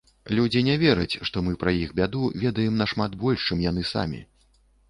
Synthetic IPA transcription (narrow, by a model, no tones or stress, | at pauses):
lʲud͡zʲinʲɛvʲɛɾɐt͡sʲʂt̪ɔmɨpɾɐjixbʲad̪uvʲɛd̪ɐjɛmnɐʂmad̪bɔlʲʂt͡ʂɨmjan̪ɨsa̰mʲḭ